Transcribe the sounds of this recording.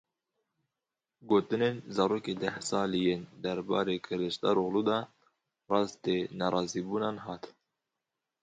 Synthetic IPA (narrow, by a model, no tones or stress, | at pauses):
ɡoːt̪ɨneːnzɑːɾoːkeːd̪ɛhsɑːlijend̪ɛɾbɑ̰ːɾeːkʰɨɾɨʃt̪ɑɾoɣluːd̪ɑ | rɑːst̪eːnɑɾˤɑːziːbuːnɑːnɦɑːt̪